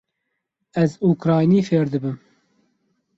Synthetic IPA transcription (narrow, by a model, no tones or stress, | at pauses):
ɛzuːkɾɑːjniːfeːɾd̪ɨbɨm